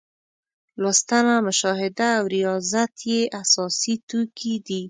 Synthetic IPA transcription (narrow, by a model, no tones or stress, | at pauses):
lwast̪amaməʃɔɦɪd̪aːwɾijɑzat̪ʰjeʔasɔsit̪ukʰid̪i